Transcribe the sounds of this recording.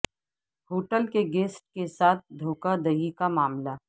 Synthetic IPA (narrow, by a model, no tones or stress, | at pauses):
hoːʈəlkeɡeːsʈkesaːt̪̚ʰd̪ʱoːkad̪ɐɦikamaːmla